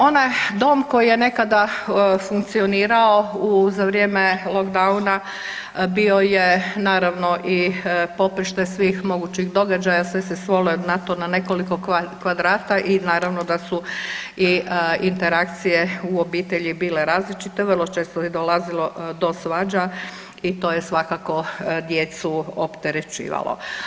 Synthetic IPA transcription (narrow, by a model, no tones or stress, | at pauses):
o̞najd̪o̞ːmko̞jije̞ne̞kad̪afuŋk̚t̪sio̞niːɾao̞uzaʋɾjeːmelˠokd̪auna | bio̞jenaːɾaʋno̞ʔipo̞pɾiʃt̪ajsʋiːxmo̞ɡuːt͡ɕixd̪o̞ɡad͡ʒajasʋesesʋolod̪nat̪onane̞ko̞liko̞kʋad̪ɾaːt̪aʔinaːɾaʋnod̪asu | iint̪eɾak̚t̪sije̞uobiːt̪eʎibiːle̞ɾaːzlit͡ʃit̪eʋərlˠot͡ʃe̞ːst̪oed̪olazilo̞d̪o̞sʋad͡ʒa | it̪o̞ːjesʋakako̞d̪jeːt̪suopt̪eɾet͡ʃḭːʋa̰lo̰